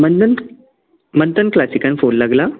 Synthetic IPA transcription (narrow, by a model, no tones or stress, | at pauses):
mənən | mənt̪ənklasikanfonlaɡla